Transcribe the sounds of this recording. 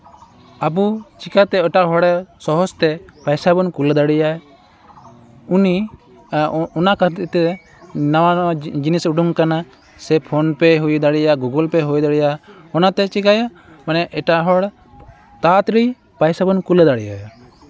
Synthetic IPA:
abut͡ʃikat̪ɛəʈaɦɔɽɛsɔɦɔst̪ɛpajsabɔnkuld̪aɽijaj | uni | ɔnakat̪ɛ | nawad͡ʒinisuɖuŋkana | sɛpʰonpɛɦujd̪aɽijaɡuɡɔlpɛɦujd̪aɽija | ɔnat̪ɛt͡ʃikaja | manɛʔɛʈaɦɔɽ | t̪at̪ɾi | pajsabɔnkuld̪aɽijaj

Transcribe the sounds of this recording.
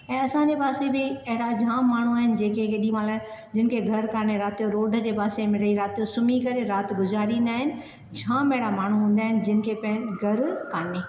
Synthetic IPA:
ɛ̃ːɐsãd͡ʑepaːsebɪɐɦɪɽad͡ʑʱãːmaːɳ̤uaːɦɪnɪ̆d͡ʑẽːkekeːɗĩmalad͡ʑɪn̆kʰeɡʱɐɾkaːneɾaːt̪ijoɾoːɖʱəd͡ʑeːpaːsemɪɽəiɾaːt̪ijosʊmikɐɾeɾaːt̪ɡʊzaːɾĩn̆d̪aːɦɪnɪ̆ | d͡ʑʱãːmeɦɪɽamaːɳ̤ũɦũːn̆d̪aːɦɪnɪ̆d͡ʑɪnɪ̆kʰepɐ̃ɦɪnɡʱɐɾkaːneː

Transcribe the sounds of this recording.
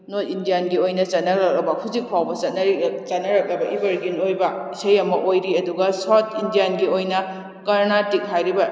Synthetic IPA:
notindijanɡiojnɐt͡ʃɐt̚nɐɾɐk̚lɐbɐkʰuzik̚pʰawbɐt͡ʃɐt̚nɐɾit͡ʃɐt̚nɐɾɐk̚lɐbɐʔibɐɾɡinojbɐisɐjɐmɐʔojɾiɐduɡɐsatʰindijanɡiojnɐ | kɐɾnatik̚ɦajɾibɐ

